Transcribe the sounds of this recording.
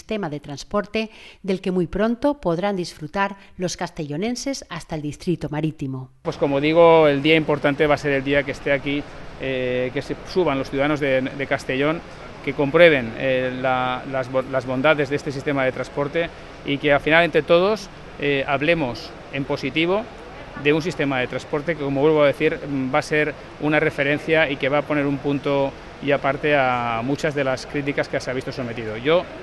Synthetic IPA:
st̪emaðet̪ɾanspoɾt̪ed̪elkemujpɾo̞nt̪opoðɾand̪isfɾut̪aɾlo̞skast̪e̞ʎone̞nse̞sast̪aeld̪ist̪ɾit̪omaɾit̪imopwesko̞moðiɣ̞oeld̪iaimpo̞ɾt̪ant̪eβase̞ɾeld̪iakest̪eakiekesesuβanlosθjuðaðano̞zðed̪ekast̪e̞ʎo̞ŋ | ke̞ko̞mpɾweβ̞e̞nelalazolazβo̞nd̪aðe̞zðe̞st̪e̞sist̪e̞maðe̞t̪ɾanspo̞ɾt̪e̞ | ike̞afinale̞nt̪ɾe̞t̪o̞ð̞o̞s | eaβle̞mo̞s | e̞mpo̞sit̪iβ̞o̞ | ðe̞uns̬ist̪e̞maðe̞t̪ɾanspo̞ɾt̪e̞keko̞mowe̞lβ̞o̞aðe̞θiɾbase̞ɾ | unare̞fe̞ɾẽ̞nθjaike̞βaːpo̞ne̞ɾumpunt̪o̞ | japaɾt̪e̞amut͡ʃazðe̞laskɾit̪̬ikaskeaseaβist̪o̞so̞me̞t̪iðo̞ʝo̞

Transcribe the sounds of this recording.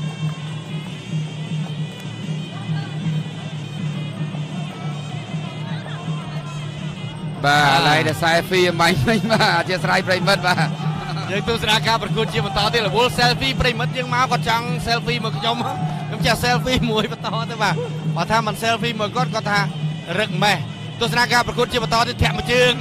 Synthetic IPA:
ɓaːʔalaŋɗaɛsaɛfiːəmɓaɲmɨɲɓaːat͡ɕiəsrajprəʋimɨt̪̚ɓaːjəːŋt̪uəhsanaːkaːprɑkuət̪̚t͡ɕiəɓɑnt̪ɑːt̪iələɓʊəlsɛlfiːprəːjimɨt̪̚jəːŋmaɔkŏət̪̚t͡ɕɑŋselfiːmɔəjkʰɲomakʰɲomt͡ɕɛhsɛlfiːmuəjpət̪ɔːt̪əɓaː | ɓaːət̪ʰaːmɨnseːlfiːmɨːkŏət̪̚kɔ̆ət̪ʰaːrɨk̚meh | t̪uəhs̬anaːkaːprɑkuət̪̚t͡ɕiəɓɑnt̪ɔːt̪iːət̪ʰɛ̆əʔmət͡ɕəːəŋ

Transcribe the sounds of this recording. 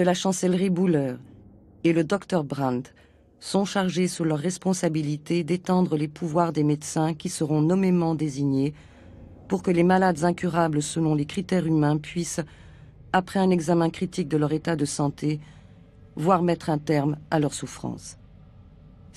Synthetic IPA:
dəlaʃɑ̃sɛlʁibulœʁ | eləd̪ɔkt̪œʁbʁãnt̪ | sɔ̃ʃaʁʒesulœʁːɛspɔ̃sabilit̪ed̪et̪ɑ̃d̪ʁəlepuvwaʁd̪emed̪sɛ̃kʲisəʁɔ̃nɔmemɑ̃d̪eziɲe | puʁkəlemalad̪zɛ̃kʲyʁabləsəlɔ̃lekχit̪ɛʁymɛ̃pɥis | apχɛɛ̃nɛɡzamɛ̃kχit̪ik̚d̪əlœʁet̪ad̪əsɑ̃t̪ʰe | vwaʁmɛt̪χɛ̃t̪ɛʁmalœʁsufχɑ̰̃s

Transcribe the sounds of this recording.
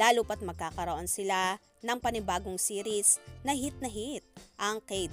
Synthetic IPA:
aːlʊpɐt̪̚mɐɡ̚kaːkɐɾoʔo̞nsɪla | nɐŋpɐnɪbaːɡoŋsiːɾɪsnɐɦit̪̚nɐɦit̪̚ʔɐŋkɛjd̪

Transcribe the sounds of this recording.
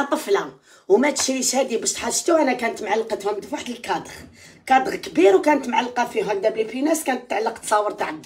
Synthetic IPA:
t̪ˤəflæ | wmæt̪ʃijəʃhæd̪ibæʃt̪ħaʃt̪uʔænækænət̪mʕalːqət̪hʊmd̪waħd̪əlkɑd̪ˤəɣ | kɑd̪əɣkbiɾwkænət̪mʕalːqɑfiɦæd̪æblipinæskænət̪ːət̪ːʕalːəqt̪ːsˤɑwːəɾˤt̪aʕəl

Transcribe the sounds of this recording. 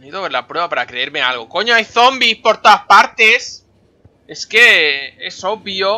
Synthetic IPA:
iðoβeɾlapɾweβapaɾakɾe̞eɾme̞alɣ̞o̞ko̞ɲoajθo̞mbispo̞ɾt̪oðaspaɾt̪e̞s | e̞ske̞e̞so̞βjo

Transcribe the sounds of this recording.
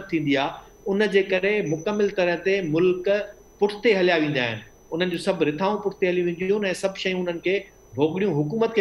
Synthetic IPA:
t̚t̪ʰːĩːn̆d̪iaː | ʊnəd͡ʑeːkɐɾemʊkəmːɪlt̪ɐɾəɦt̪emʊlk | pʊʈʰt̪eɦɐljaʋẽːn̆d̪aːɦɪnɪ̆ | ʊn̤ənɪ̆d͡ʑoːsɐbʱɾɪt̪ʰaːũpʊʈʰɪ̥t̪eɦɐlijũʋẽːn̆d̪jũɛ̃ːsɐbʱʃɐjũʊn̤ənɪ̆kʰeː | bʱoːɡɪɽijũɦʊkuːmət̪̚kʰe

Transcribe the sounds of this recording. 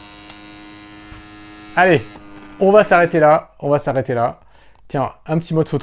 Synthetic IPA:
aleɔ̃vasaʁet̪elaɔ̃vasaʁet̪ela | t̪jɛ̃ɛ̃pət̪imɔd̪fot̪

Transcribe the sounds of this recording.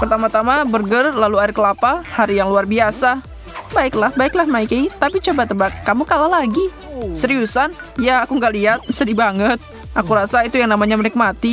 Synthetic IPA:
pərt̪amat̪amabərɡərlaluaɪrkəlapahaɾijaŋluarbiasa | baɪklahbaɪklahmaikeit̪apit͡ʃobat̪əbakːamukalalaɡi | səɾiusanjaːkuŋɡaliɦat̪̚sədibaŋət̪̚ | ʔakuɾasait̪ujaŋnamaɲamənik̚mat̪i

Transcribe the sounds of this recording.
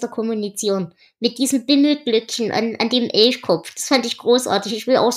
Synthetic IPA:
tɐkʰɔmunit͡siːʁən | mɪt̚d̥iːzəm̩b̥ɪml̩ɡ̥lʏkçn̩ʔa̰nʔa̰ndeːmʔɛlçkʰɔp͡fd̥asfandɪçɡ̥ʁoːsʔa̰ːɐtɪçɪçv̥ɪlʔa̰ʊx

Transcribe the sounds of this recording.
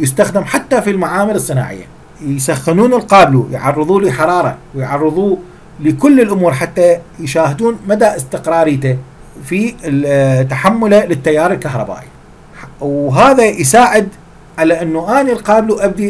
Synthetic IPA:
jɪst̪axd̪ɪmħat̪ːafilmaʕaːmɪɾɨsˤːɨna̰ːʕɪ̰jːa̰ | jsaxːɪnuːnɪlqɑːblujʕɑ̰rˤːɨðˤuːliħɑɾˤɑːɾˤɑ̰wjʕɑrˤːɨðˤuː | lɪkʊlːɪlʔʊmuːɾˤħat̪ːajʃaːhɪd̪uːnmad̪aʔɪst̪ɪqɾˤɑːɾiːt̪a | fi | t̪ːaħamːʊlalɪt̪ːajːaːɾˤɪlkahɾˤɑ̰ba̰ːʔi | wɦaːðajsaːʕɪd̪ | ʕalaʔɪnːuʔaːnilqɑːbluʔab̚d̪i

